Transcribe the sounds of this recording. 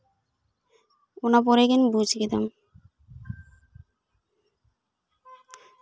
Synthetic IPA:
onap̬oɾekenbut͡ɕkit̪a̰m

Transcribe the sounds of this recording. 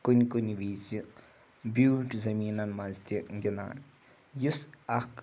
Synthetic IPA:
kunʲkuniʋiːt͡si | buːʈzɐmiːnɐnmɐzt̪iɡina̰ːn | jusɐk

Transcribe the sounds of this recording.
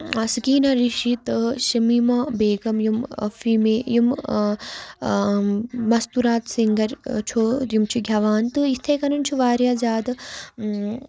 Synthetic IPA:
ɐsikiːnɐɾiʃit̪ʃɐmimɐbeːɡɐmjumɐ̰fiːmeːjum | mɐst̪uɾaːt̪siŋɡɐɾt͡ʃʰojimt͡ʃʰuɡʱʲjɐʋaːnt̪ɨist̪ʰeːkɐnunt͡ʃʰuʋaːɾjaːzaːd̪

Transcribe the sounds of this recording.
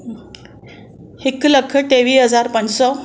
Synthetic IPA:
hikləkʰəʈeʋiːɦəd͡zaɾpəɳsɔ

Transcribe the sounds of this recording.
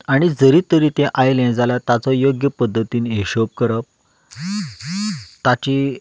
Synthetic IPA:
aɽ̃id͡zəɾit̪əɾiːt̪ẽʔajlẽnd͡zaljat̪at͡sɔjoɡjəpəd̪ʱːət̪iːneɕop̚kəɾəp̚ | t̪at͡ɕi

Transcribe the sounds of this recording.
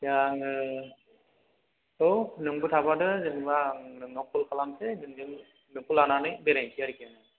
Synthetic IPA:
jaŋɯ | onɯŋbɯtʰabadɯzɯŋbaŋnɯŋnɔkʰulkʰalamsezɯŋzɯŋ | nɯkulananɯjbeɾajsʰiaɾikianɯ

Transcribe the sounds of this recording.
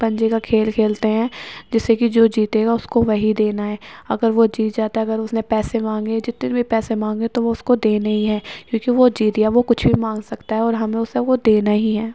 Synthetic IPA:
pɐ̃ɲd͡ʒekakʰeːlkʰeːlt̪eɦɛ̃ːd͡ʒɪsekid͡ʒoːd͡ʒiːt̪eːɡaʊskoʋɐɦid̪eːnaɦɛːɐ̰ɡəɾʋod͡ʒiːt̪̚d͡ʒaːt̪aɛɐɡəɾʊsnẽpɛːsemãːŋɡed͡ʒɪt̪nebʱipɛːsemãːŋɡet̪oʋoʊskod̪eːnɐɦĩɦɛːkjõːkiʋod͡ʒiːt̪ijaʋokʊt͡ʃʰbʱimãːŋɡsɐkt̪aɦɛɔːɾɦɐmẽʊseʋod̪eːnaɦiɦɛː

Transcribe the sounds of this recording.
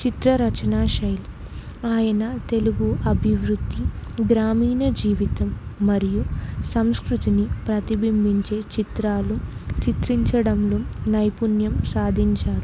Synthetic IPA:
t͡ʃit̪ɾɐɾɐt͡ʃɐnaːʃɐjl | aːjɐnɐt̪e̞luɡuʔɐbʱiʋɾud̪ʱːiɡɾaːmiːnɐd͡ʒiːʋit̪ɐmːɐɾijusɐmskɾut̪inipɾɐt̪ibimbʱiɲt͡ʃe̞ːt͡ʃit̪ɾaːlut͡ʃit̪ɾiɲt͡ʃɐɽɐmloːnɐjpunjɐmsaːd̪ʱiɲt͡ʃaːɾu

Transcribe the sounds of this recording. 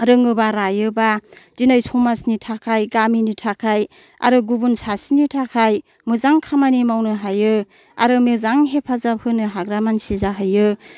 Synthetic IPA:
ɾɯŋɯbaɾajɯbad̥inajsumasnitʰakʰajɡaminitʰakʰaj | a̰ɾɯɡubunsasinitʰakʰaj | mɯzaŋkʰamanimawnɯɦajɯ | a̰ɾɯmɯzaŋɦepʰazaphʰɯnɯɦaɡɾamansizaɦajɯ

